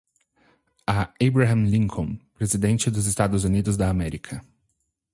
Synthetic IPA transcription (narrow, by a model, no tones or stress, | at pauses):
ɐejbɾaɦɐ̃mlĩŋkʰõpɾezid̪ẽnt͡ʃɪd̪ʊzɪst̪ad̪ʊzunid̪ʊzd̪ɐːmɛɾikʰɐ